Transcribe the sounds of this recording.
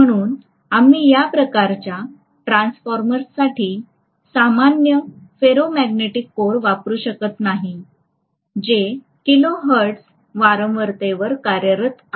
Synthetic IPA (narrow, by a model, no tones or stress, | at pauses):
m̤əɽ̃uːn | am̤ijapɾəkaɾt͡ɕja | ʈɾansfɔɾməɾsːaʈʰiː | samanjəfeɾomæɡneʈikːoɽʋapɾuːɕəkət̪naɦi | d͡ʑe | kiloɦəɾʈs | ʋaɾə̃mʋəɾt̪eʋəɾkaɾjəɾət̪